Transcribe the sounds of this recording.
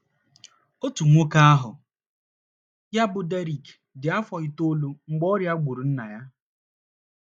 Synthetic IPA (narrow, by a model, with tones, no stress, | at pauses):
o˦tu˨ŋʷo˦ka˦a˦ɦʊ̰˨ | ja˦bʊ˨de˦ɾi˨kdɪ˨a˦fɔ˨i˨to˦lu˦ŋ͡m̩˨˦ɡ͡bɔ˦ɾja˦ɡ͡bu˨ɾu˨n̩˦na˨ja˦